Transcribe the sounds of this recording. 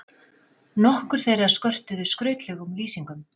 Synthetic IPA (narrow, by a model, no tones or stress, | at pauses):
nɔhkʏɾ̥θejrḁskœr̥t̪ʏðʏskɾœːɥt̪lɛɣʏmliːsiŋkʏm